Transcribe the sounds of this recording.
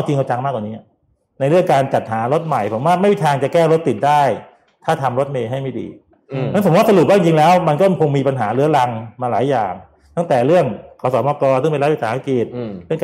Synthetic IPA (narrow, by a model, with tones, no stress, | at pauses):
a˧˩t͡ɕ̪ʰi˧ŋkʰa˧t͡ɕa˧ŋmaː˥˩kwaː˨˩niː˦˥˨ | na˧jɾɯ˥˩əŋkaː˧nt͡ɕa˨˩t̪̚ɦaː˩˦ɾo˦˥t̪̚ma˨˩jpʰo˩˦waː˥˩ma˥˩jwi˥˩t̪ʰaː˧ŋt͡ɕa˨˩kɛː˥˩ɾo˦˥t̪ːi˨˩t̪̚daː˥˩j | t̪ʰaː˥˩t̪ʰa˧mɾo˦˥t̪̚meː˧ɦa˥˩jma˥˩jdḭː˧ | na˥˨so˩˦waː˥˩s̬lu˨˩p̚baː˥˩ŋt͡ɕi˧ŋlɛː˦˥wma˧nkɔ˥˩kʰo˧ŋmiː˧pa˧nɦaː˩˦lɯ˦˥ɐla˧ŋmaː˧laː˨˩˦jːa̰ː˨˩ŋ | t̪ʰa˥˩ŋt̪ɛː˨˩ɾɯ˥˩əŋkʰɔː˧˩sɔː˩˦mɔː˧kɔː˧nsɯ˥˩ŋpa˧jla˦˥wi˧˩saː˩˦a˧˥ki˨˩t̪̚ɾɯ˥˩əŋkː